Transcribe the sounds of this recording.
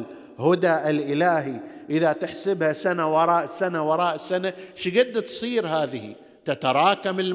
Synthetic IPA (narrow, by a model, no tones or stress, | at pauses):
hʊd̪aʔɪlʔɪlaːɦiʔɪðat̪ɪħsɪbhasanawɑɾˤɑːʔsanawɑɾˤɑːʔsanaʃɡɪd̪ːt̪sˤiːɾhaːðɪhḭ | t̪at̪ɑɾˤɑːkamɪl